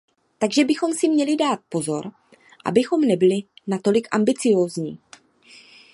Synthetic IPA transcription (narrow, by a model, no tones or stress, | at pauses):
t̪aɡʒɛbɪxo̞msɪmɲɛlɪdaːt̪̚po̞zo̞ɾ | ʔa̰bɪxo̞mnɛbɪlɪnat̪o̞lɪkʔa̰mbɪt͡sɪjo̞ːzɲḭː